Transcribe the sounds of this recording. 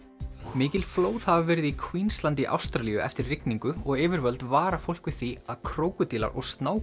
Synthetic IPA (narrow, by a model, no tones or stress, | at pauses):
mɪːcɪlfloːwðhavavɛːɾɪðikʰwiːnst̪lant̪ɪʔa̰wst̪ɾalijʏʔɛ̰ft̪ɪrrɪkniŋkʏɔɣɪːvɪɾvœlt̪vaːɾafowl̥kvɪ̥θiaðkʰɾoːwkʏt̪iːla̰ɾɔ̰ɣst̪naːw